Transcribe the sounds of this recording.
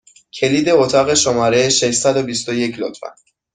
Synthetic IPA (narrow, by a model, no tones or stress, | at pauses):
cʰe̞liːd̪e̞ot̪ʰɒɣe̞ʃomɒːɾejʃeʃsæd̪obist̪oje̞cʰlo̰t̪ʰfæ̰n